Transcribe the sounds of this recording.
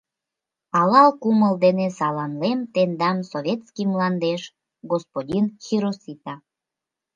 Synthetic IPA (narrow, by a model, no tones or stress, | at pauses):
ɑlɑlkuməld̪enesɑlɑnlemt̪end̪ɑmsoβʲet̪skimlɑnd̪eʃ | ɡospodʲinxʲiɾosit̪ɑ